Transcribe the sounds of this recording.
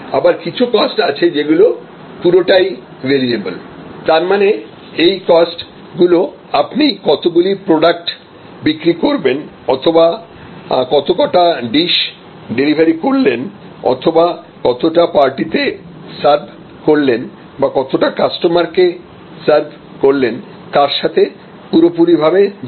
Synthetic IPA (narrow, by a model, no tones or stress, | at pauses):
abaɾkit͡ɕʰukɔsʈat͡ɕʰed͡ʑeɡulo | puɾoʈaj | ʋeɾiebolt̪aɾmane | ejkɔsʈ | ɡulo | apnikɔt̪oɡulipɾoɖak̚ʈ | bikɾikoɾben | ɔ̰t̪ʰoba | kɔt̪okɔʈaɖiʃ | ɖelibʱaɾikoɾlen | ɔ̰t̪ʰoba | kɔt̪oʈapaɾʈit̪e | saɾbʱ | koɾlen | bakɔt̪oʈakasʈomaɾke | saɾbʱ | koɾlen | t̪aɾʃat̪ʰe | puɾopuɾibʱabe